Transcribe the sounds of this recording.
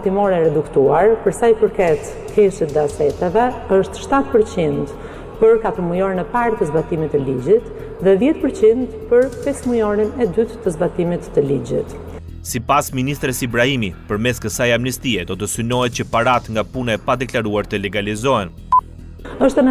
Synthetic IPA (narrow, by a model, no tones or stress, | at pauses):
t̪imɔɾɛɾɛd̪ukt̪uaɾpəɾsajpəɾkɛt̪ | kʰɛʃit̪ðɛasɛt̪ɛvɛəʃt̪ʃt̪at̪̚pəɾt͡ɕind̪ | pəɾkat̪əɾmujɔɾinɛpaɾt̪əzbat̪imit̪ːəlid͡ʑit̪ | ðɛðjɛt̪̚pəɾt͡ɕind̪pəɾpɛsmujɔɾinɛd̪yt̪ːəzbat̪imit̪ːəlid͡ʑit̪ | sipasminist̪ɾɛsibɾahimipəɾmɛskəsajamnist̪iɛd̪ɔt̪əsynɔɛt̪̚cəpaɾat̪ŋɡapunaɛpad̪ɛklaɾuaɾt̪əlɛɡalizɔɛn | əʃt̪ənə